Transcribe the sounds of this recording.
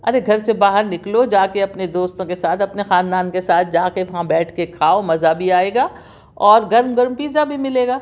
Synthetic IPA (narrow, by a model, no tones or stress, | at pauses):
ɐɾeɡʱɐɾsebaːɦəɾnɪklod͡ʒaːkeɐpned̪oːst̪õkesaːt̪ʰɐpnexaːnd̪aːnkesaːt̪̚ʰd͡ʒaːkeʋɐɦãbɛːʈʰkekʰaːomɐzabʱiaːeːɡaː | ɔːɾɡɐɾmɡɐɾmpiːzabʱimɪleːɡaː